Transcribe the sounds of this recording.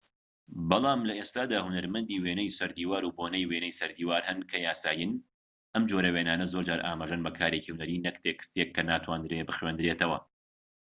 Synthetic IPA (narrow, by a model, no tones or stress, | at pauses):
bɑlˠɑːmlɐeːst̪aːd̪aːhʊnɐɾmɐnd̪iːweːnɛjsɐɾd̪iːwaːɾuːbonɛjweːnɛjsɐɾd̪iːwaːɾhɐnkʰɐjaːsaːjɨn | ʔɐmd͡ʒoːɾɐweːnaːnɐzoɾd͡ʒaːɾʔa̰ːmaːʒɐnbɐkʰaːɾeːcihunɐɾiːnɐkt̪ʰekst̪ekʰːɐnaːt̪ʰwaːnd̪ɾebɨχweːnd̪ɨɾeːt̪ɐwɐ̰